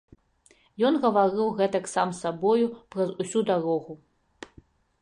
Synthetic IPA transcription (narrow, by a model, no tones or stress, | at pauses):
jɔnɣɐvaɾɨwɣɛt̪ɐksamsabɔjupɾɐzusʲud̪aɾɔɣu